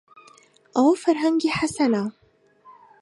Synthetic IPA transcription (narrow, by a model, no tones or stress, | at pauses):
awfaɾɦaŋɡiħasana